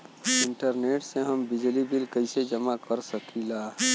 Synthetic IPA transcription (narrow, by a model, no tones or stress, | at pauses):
ɪɳʈəɾneːʈsẽɦəmbɪd͡ʒlibilkəɪsed͡ʒəmakəɾsəkʰila